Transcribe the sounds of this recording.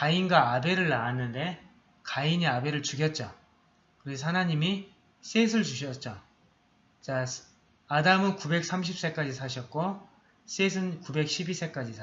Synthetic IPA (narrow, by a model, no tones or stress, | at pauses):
kainɡaːbe̞ɾɯɭːaanːɯnde̞ | kaiɲiabe̞ɾɯɭt͡ɕuɡjʌt̚t͡ɕ͈o | kɯɾes̬ʰʌhanaɲimi | s͈es̬ʰɯɭt͡ɕuɕ̬ʰʌt̚t͡ɕ͈o | t͡ɕas | adamɯnkube̞k̚s͈ʰamɕ̬ʰip̚s͈e̞k͈ad͡ʑisʰaɕ̬ʰʌt̚k͈o | s͈es̬ʰɯnkube̞k̚ɕʰibis͈e̞k͈ad͡ʑisʰ